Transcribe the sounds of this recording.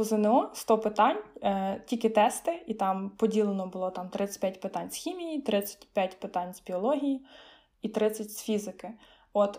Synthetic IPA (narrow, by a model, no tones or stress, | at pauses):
ʊzenɛɔst̪ɔpɪt̪ɑnʲtʲilʲkɪt̪ɛst̪ɪit̪ɑmpɔdʲilˠenɔbʊlˠɔt̪ɑmt̪ɾɪt͡sʲɐ̥tʲpʲjatʲpɪt̪ɑnʲsxʲimʲijit̪ɾɪt͡sʲːɐ̥tʲpʲjatʲpɪt̪ɑnʲzbʲiɔlˠɔɦʲiji | it̪ɾɪt͡sʲɐtʲsfʲizɪkɪ | ɔt̪